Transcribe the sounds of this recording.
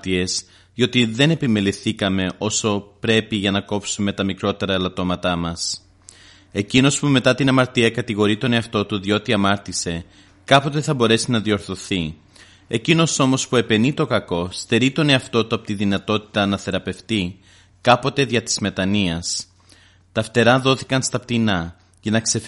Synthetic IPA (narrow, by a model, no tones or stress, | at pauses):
t̪ie̞s | ʝo̞t̪iðe̞ne̞pime̞liθikɐme̞ʔo̞so̞pɾe̞piʝɐnɐko̞psume̞t̪ɐmikɾo̞t̪e̞ɾɐelɐt̪o̞mɐt̪ɐmɐs | e̞cino̞spume̞t̪ɐt̪inɐmɐɾt̪iɐkɐt̪iɣo̞ɾit̪o̞ne̞ɐft̪o̞t̪uðio̞t̪iɐmɐɾt̪ise̞ | kɐpo̞t̪e̞θɐbo̞ɾe̞sinɐðio̞ɾθo̞θi | e̞cino̞so̞mo̞spue̞pe̞nit̪o̞kɐko̞st̪e̞ɾit̪o̞ne̞ɐft̪o̞t̪uɐpot̪iðinɐt̪o̞t̪i̥t̪ɐnɐθe̞ɾɐpe̞ft̪i | kɐpo̞t̪e̞ðʝɐt̪i̥zme̞t̪ɐniɐs | t̪ɐft̪e̞ɾɐðo̞θikɐnst̪ɐp̚t̪inɐ | ʝɐnɐkse̞